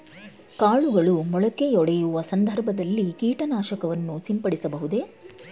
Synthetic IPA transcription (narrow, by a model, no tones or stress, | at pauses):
kaːɭuɡɐɭumɔɭɐke̞ɔɽɛjuʋɐsɐnd̪ʱɐɾbʱɐd̪ɐlːikiːʈɐnaːʃɐkɐʋɐnːusimpɐɽisɐbɐɦud̪e̞